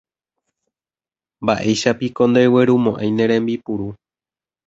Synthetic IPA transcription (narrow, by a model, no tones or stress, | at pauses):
mbaʔe̞jʃapiko̞nd̪ejweɾumõ̞ʔãj̃nẽ̞ɾ̃ẽ̞mbipuɾu